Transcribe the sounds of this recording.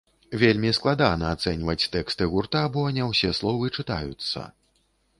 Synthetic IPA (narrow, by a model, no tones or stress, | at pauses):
vʲelʲmʲisklˠad̪anɐːt̪sɛnʲvɐt͡sʲt̪ɛkst̪ɨɣurt̪abɔnʲɛwsʲɛslˠɔvɨt͡ʂɨt̪ajṵt̪sːɐ̰